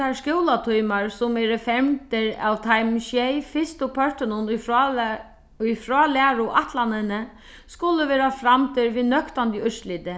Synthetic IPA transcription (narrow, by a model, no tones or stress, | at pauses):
askjowlat̪ʰujmaɹsʊmɛɾəfɛmt̪ɪɾa̰wt̪ʰajmʃjɛjfɪst̪ʊpʰœɹt̪ɪnʊn | ʊjfɾɔːlæːɾʊʔaht̪lanɪnə | skʊləʋɛːɾafɾamt̪ʰɪɾʋinœkt̪ant̪əʏsliːt̪ɪ